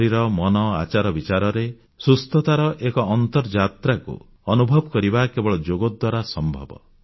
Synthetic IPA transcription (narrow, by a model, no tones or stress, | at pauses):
ɾiɾɔmɔnɔa̰t͡ʃaɾɔbit͡ʃaɾɔɾe | sust̪ɔt̪aɾɔʔekɔːnt̪ɔɾd͡ʒat̪ɾakṵ | ɔnubʱɔbɔkɔɾibakebɔɭɔd͡ʒoɡod̪waɾasɔmbʱɔ̰bɔ̰